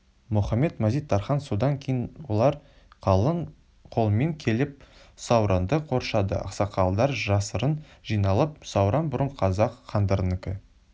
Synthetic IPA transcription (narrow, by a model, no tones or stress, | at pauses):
mʊχɑmːe̞t̪mæzijt̪ːɑɾχɑnso̞d̪ɑŋkʲʰejnwo̞lˠɑɾˠ | ə | qʰo̞lˠəmeŋkʲʰe̞lɪp̚ | sɑwɾɑnd̪əqʰo̞ɾʃɑd̪ə̰ɑ̰qsɑqʰɑlˠd̪ɑɾʒɑsəɾənʒ̥ijnɑlˠəp̚sɑwɾʔɑnbʊɾəɴqʰɑzɑqːɑnd̪əɾnɪkʲɪ